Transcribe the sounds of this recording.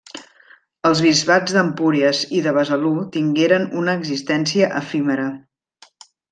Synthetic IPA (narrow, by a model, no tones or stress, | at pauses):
əlˠzβizβad͡zðəmpuɾiəziðəβəzəlut̪iŋɡeɾənunəːɡzist̪ɛnsiəʔəfiməɾə